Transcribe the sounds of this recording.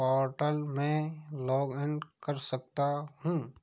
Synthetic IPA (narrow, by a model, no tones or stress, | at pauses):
ɔːɾʈəlmẽlɔːɡɪnkəɾsək̚t̪aɦũː